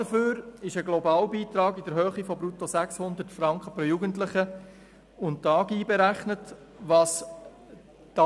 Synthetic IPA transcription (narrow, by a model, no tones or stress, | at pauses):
əføːɾɪʃəɡlɔbɑːlbiːtɾɑːɡidəɾhœːχifɔbɾutosækshʊnd̪ətfɾɑŋkχəpɾojuːɡəntlɪχə | ʊnttɑːɡiːbɛɾæχnət | ʋɑːs | d̥ɑ